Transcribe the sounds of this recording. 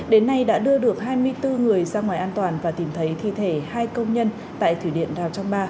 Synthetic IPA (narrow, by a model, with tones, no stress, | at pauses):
ɗe˨˦nːa˧jɗa̰ː˧˥ɗɨ˧əɗɨ˨˩ək̚ɦaː˧jmɨ˧əjt̪ɨ˧ŋɨ˨˩əjzaː˧ŋwaː˨˩jʔaː˧nt̪waː˨˩nvaː˨˩t̪i˨˩mt̪ʰə˨˦jt̪ʰḭ˧˨t̪ʰe˧˩haː˧jkə˧wŋ͡mɲə˧n | t̪a̰ː˧˨jt̪ʰwi˧˩ɗḭ˧˨ənzaː˨˩w̚t͡ɕɔ˧wŋ͡mɓaː˧